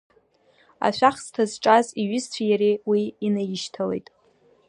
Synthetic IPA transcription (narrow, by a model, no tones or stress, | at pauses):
a̰ʃʷᶣaχstʰazʈ͡ʂʼaziɥɪzt͡ɕʷʰajaɾewiːnajɪʃtʰale̞̰jtʼ